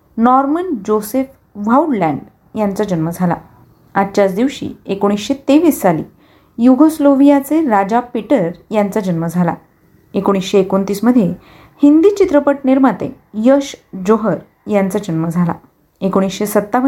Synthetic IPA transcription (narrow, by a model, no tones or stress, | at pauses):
nɔɾmənd͡ʑosef | ʋauɽlæ̃ɳɖ | jant͡sad͡ʑənməd͡zʱala̰ | att͡ɕat͡sd̪iʋɕḭːekoɽ̃isɕet̪eʋiːsːalḭː | juɡosloʋijat͡seɾad͡ʑapiʈəɾjant͡sad͡ʑənməd͡zʱala̰ | ekoɽ̃isɕeːkont̪iːsməd̪ʱje | hind̪iːt͡ɕit̪ɾəpəʈ̚niɾmat̪ḛ | jəɕd͡ʑoɦəɾ | jant͡sad͡ʑənməd͡zʱala̰ | ekoɽ̃isɕesət̪ːaʋ